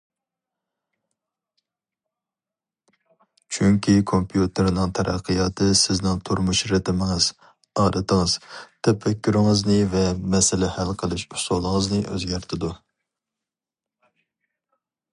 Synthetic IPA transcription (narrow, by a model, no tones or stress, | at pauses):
t͡ʃʰyŋkʲʰikʰompʰjut̪ʰɪɾnɨŋt̪ʰɛɾʔæ̰qʰːəjɑːt̪ʰɨsɪznɪŋt̪ʰuɾmuʃɾɪt̪ʰɪmɪŋɨz̥ | ɑːɾɨt̪ʰəŋɨz̥t̪ʰɛpːɛkʲːyɾɪŋəznɨvɛmɛsɪlɪhælqʰəlˠɨʃusolˠəŋəznɨʔø̰zɡʲæɾt̪ʰɪd̪u